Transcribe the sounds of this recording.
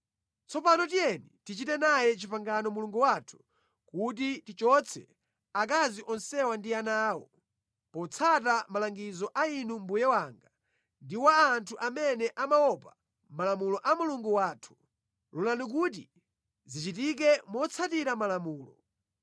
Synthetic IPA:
t͡sɔpanɔtijɛnitit͡ʃitɛnajɛt͡ʃipaŋɡanɔmuluŋɡuwatʰu̥ | kut̬itit͡ʃɔt͡sʰɛ̰ | ak̬aziʔɔnsɛwandianaːwɔ̰ | pɔt͡sʰat̬amalaŋɡizɔʔainum̩bujɛwaŋɡa | ndiwaːntʰuʔamɛnɛʔamawɔpa | malamulɔʔamuluŋɡuwaːtʰu̥ | lulanik̬ut̬i | zit͡ʃit̬ik̬ɛmɔt͡sʰatiɾamalamuːlɔ

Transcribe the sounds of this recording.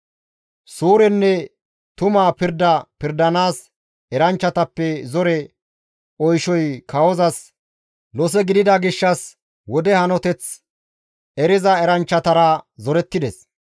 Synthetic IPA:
suːɾɛnːɛ | t̪ʊmaːpɪɾd̪ɐpɪɾd̪ɐnaːs | ɛɾɐnt͡ʃːɐt̪ɐpːɛzɔɾɛ | ɔjʃɔjkʰɐwɔzɐs | lɔs̬ɛɡɪd̪ɪd̪ɐɡɪʃːɐs | wɔd̪ɛhɐnɔt̪ɛt͡s | ɛɾɪzɐɛɾɐnt͡ʃːɐt̪ɐɾɐzɔɾɛt̪ːɪd̪ɛs

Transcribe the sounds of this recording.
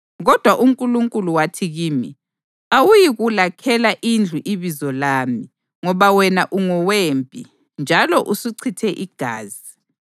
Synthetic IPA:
ɣɔd̥ʱwaʔuŋkʼuluŋkʼuluwatʰiɣiːmi | awujiɣulakʰɛlaʔind͡ɮʱuʔiβizɔlaːmi | ŋɔβawɛnaʔuŋɔwempʼḭ | nd͡ʒʱalɔʔusiǀʰitʰɛʔiɡ̥ʱa̰ːzi

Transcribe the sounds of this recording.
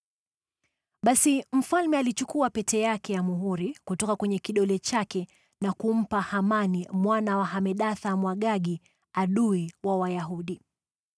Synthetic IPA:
ɓasim̩falmɛalit͡ʃukuapɛtɛjakɛjamuɦuɾikutɔkakwɛɲɛkiɗɔlɛt͡ʃakɛ | nakum̩pahamanimwanawaɦamɛɗaθamwaɠaɡi | aɗuiwawajaɦuɗi

